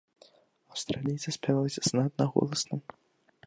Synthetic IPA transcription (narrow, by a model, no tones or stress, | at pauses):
ɐwst̪ɾalʲijt̪sɨsʲpʲavʲalˠɐsʲɐsnat̪naɣɔ̰lˠɐsnɨm